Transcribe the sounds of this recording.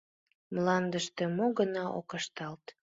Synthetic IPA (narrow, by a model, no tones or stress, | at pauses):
mlɑnd̪əʃt̪emoɣənɑʔo̰kəʃt̪ɑlt̪